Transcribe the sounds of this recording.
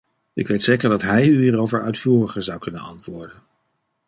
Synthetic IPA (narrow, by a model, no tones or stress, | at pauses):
ɪkʋejtsejkəɹdɑtɦɛjyiːrowvəɹœ̰ɥtfuːrəχəɹzɑwkɵnənɑ̰ntʋʊːɹdən